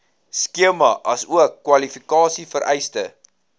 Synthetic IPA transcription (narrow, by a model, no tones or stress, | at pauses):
skiəmɐʔɐsuəkːwɐlifikɑːsifəɾʔɛ̰jstə